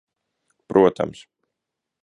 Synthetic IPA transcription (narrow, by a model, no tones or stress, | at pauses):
pɾʔuɔt̪a̰ms